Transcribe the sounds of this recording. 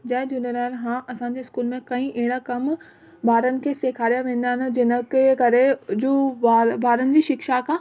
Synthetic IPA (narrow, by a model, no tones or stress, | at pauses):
d͡ʑɐ̃ɦɪ̃d͡ʑunəɾaːnɦãːʔɐsãːɲ̆d͡ʑeːɪskuːlmẽkɐĩʔeɦɪɽ̃akɐm | baːɾənɪ̆kʰeːseːkʰaːɾijaʋẽːn̆d̪aːɪnɪ̆d͡ʑɪnəkkɐɾed͡ʑoːabaːɾənɪ̆d͡ʑiːʃɪkʃakaː